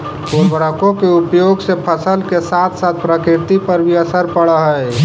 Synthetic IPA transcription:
kuɾbɾəkõkeupjoːɡsepʰəsəlkesat̪ʰsaːt̪̚ʰpɾəkɾɪɾt̪ipəɾbʱiəsəɾpəɽəɦəɛ

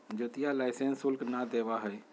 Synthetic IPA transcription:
d͡ʒot̪ijalaɪsẽnsʊlknad̪eːʋaɦɛj

